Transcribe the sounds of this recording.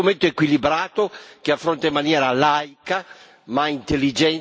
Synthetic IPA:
ument̪oekwilibɾaːt̪ok̟eafːɾont̪aimːanjɛːɾalajka | maint̪elːid͡ʒɛn

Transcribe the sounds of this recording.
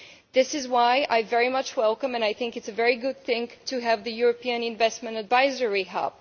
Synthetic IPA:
ðɪsɨzwaɪʔa̰ɪvɛɹimʌt͡ʃwɛlˠkə̃mɨ̃naɪθɪ̃ŋkɨtsɨvɛɹiɡʊd̪̚θɪ̃ŋtʰɨɨvðɨjʊɹɨpʰiɨ̃nɨ̃ɱvɛstmɨ̃ntɨdvaɪzə˞iɦæ̰p̚

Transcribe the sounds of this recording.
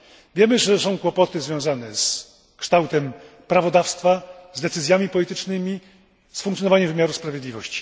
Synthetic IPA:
vʲjɛmɘʐɛsɔ̃w̃kwɔpɔt̪ɘzvʲjɔ̃w̃zanɛs | kʂt̪awt̪ɛm | pɾavɔd̪afst̪fazd̪ɛt̪sɘzʲjamʲipɔlʲit̪ɘt͡ʂnɘmʲi | sfuŋk̪ʲjɔnɔvaɲɛmvɘmʲjaɾuspɾavʲjɛd̪lʲivɔɕt͡ɕi̥

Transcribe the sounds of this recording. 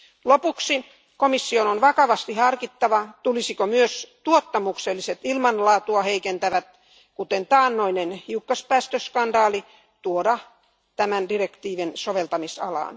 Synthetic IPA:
lopuksi | komisːiononʋɑkɑʋɑst̪ihɑrkit̪ːɑʋɑt̪ulisikomyøst̪uot̪ːɑmukselːiset̪ilmɑnlɑːt̪uɑheikent̪æʋæt̪ | kut̪ent̪ɑːnːoinenhiukːɑspæːst̪øskɑndɑːli | t̪uodɑ | t̪æmændirekt̪iːʋinsoʋelt̪ɑmisɑ̰lɑ̰ːn

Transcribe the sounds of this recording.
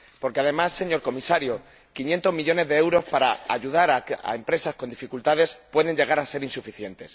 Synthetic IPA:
po̞ɾke̞aðe̞masːe̞ɲo̞ɾko̞misaɾjo | kinje̞nt̪o̞zmiʎo̞ne̞zðe̞ewɾo̞spaɾaaʝuðaɾaa̰e̞mpɾe̞sasko̞nd̪ifikult̪aðe̞spwe̞ðe̞ɲɟe̞ɣ̞aɾase̞ɾinsufiθje̞nt̪e̞s

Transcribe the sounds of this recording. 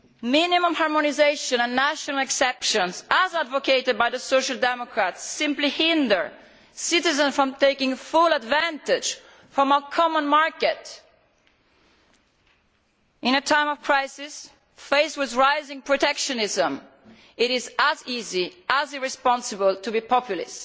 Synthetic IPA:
mɪ̃nimə̃mhɑɹmɔnizeɪʃɔ̃nə̃nːæʃɔnalɛksɛpʃə̃nzəzadvokeɪɾɨd̚bajðəsoʊʃəlˠdɛmɔkʰɹatsːɪ̃mplihɪ̃ndə˞ | sɪɾɪzə̃nfɹɔ̃mt̪eɪkɪ̃ŋfulədvæ̃ntɪ̥d͡ʒ | fɹɔ̃makʰɔmə̃nmaɹkɛt | ɪ̃nətʰãɪ̃mɔv̥kʰɹaɪsɪs | feɪswɪðɹaɪzɪ̃ŋpʰɹɔt̪ɛkʃɔnɪzə̃m | ɪɾɪzəziziʔəzɪɹɪspɔ̃nsəbəlt̪ʰubipʰɔpjulɪ̰st

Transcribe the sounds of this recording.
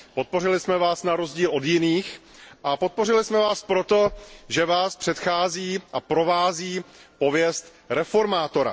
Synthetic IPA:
po̞t̪̚po̞rɪlɪsmɛvaːsnaɾo̞zɟiːlʔo̞djɪniːx | ʔapo̞t̪̚po̞r̝ɪlɪsmɛvaːspɾo̞t̪o̞ʒɛvaːspr̥ɛt̪xaːziːʔapɾo̞vaːziːpo̞vjɛst̪ | ɾɛfo̞ɾmaːt̪o̞ɾa̰

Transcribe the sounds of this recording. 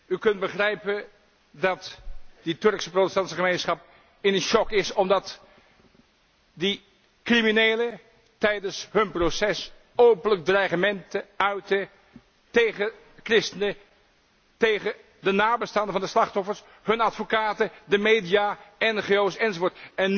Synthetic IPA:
ykɵnt̚bəχrɛjpən | dɑtditɵɹksəprotəstɑntsəχəmejnsχɑp̚ | ɪnənʃɔkɪsɔmdɑt | di | kriminejlə | tɛjdənsɦɵnprosɛs | owpənlək̚draːχəmɛntəœɥtə | tejχə | krɪstənə | tejχə | dənaːbəstɑːndəvɑndəslɑχtɔfəɹs | ɦɵnɑtfokaːtədəmejdijaɛnχeowsɛnzovʊːɹtɛn

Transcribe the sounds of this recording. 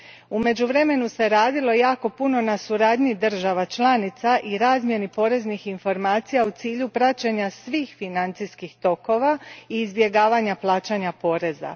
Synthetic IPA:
ume̞d͡ʑuʋɾe̞me̞nuse̞ɾaːd̪ilo̞jaːko̞puno̞nasuɾaːd̪ɲid̪r̩ʒaʋat͡ʃlˠanit̪saʔiɾaːzmje̞nipo̞ɾe̞znixinfo̞ɾmaːt̪sijaut̪iːʎupɾat͡ɕeɲasʋiːxfinant̪siskixt̪o̞ko̞ʋaiːzbje̞ɡaːʋaɲaplˠaːt͡ʃaɲapo̞ːɾe̞za̰

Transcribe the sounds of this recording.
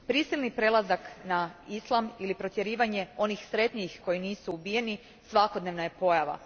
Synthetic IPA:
pɾisilˠnipɾe̞lˠazaknaislˠamilipɾo̞t̪je̞ɾiːʋaɲe̞o̞nixsɾe̞t̪ɲixko̞jiniːsuːbije̞ni | sʋako̞d̪ne̞ʋnaje̞po̞jaʋa̰

